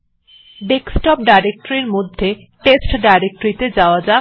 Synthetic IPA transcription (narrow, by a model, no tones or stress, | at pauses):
beksʈɔp̚ɖajɾek̚ʈoɾiɾmod̪ʱːe | ʈesʈɖajɾek̚ʈoɾit̪ed͡ʑaoad͡ʑa